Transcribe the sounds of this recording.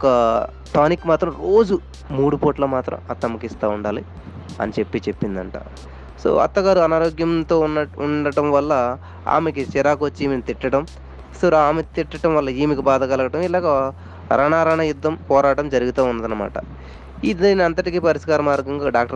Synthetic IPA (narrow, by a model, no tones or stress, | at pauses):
ɔkɐ | ʈaːnikːmaːt̪ɾɐmɾoːd͡ʒu | muːɽupoːʈlɐmaːt̪ɾɐ̰mɐt̪ːɐmɐkist̪aːuɳɖaːli | ɐ̰nit͡ʃe̞pːiːt͡ʃe̞pːind̪ɐɳʈa̰ː | so̰ːɐ̰t̪ːɐɡaːɾuɐnaːɾoːɡjɐmt̪o̞ːuɳɖɐʈɐmʋɐlːɐ | a̰ːmek̬it͡ʃiɾaːkʋot͡ʃːiːmenit̪iʈːɐʈɐm | sɐɾaːmet̪iʈːɐʈɐmʋɐlːɐiːmikibaːd̪ʱɐkɐlɐkɐʈɐmilaːɡɐ | ɾɐɳaːɾɐɳɐjud̪ːɐmpɔːɾaːʈɐmd͡ʒɐɾiɡut̪aːunːɐd̪ɐnːɐma̰ːʈɐ̰ | id̪ɐniɐnt̪ɐʈikiːpɐɾiskaːɾɐmaːɾɡɐŋɡaːɖaːk̚ʈɐ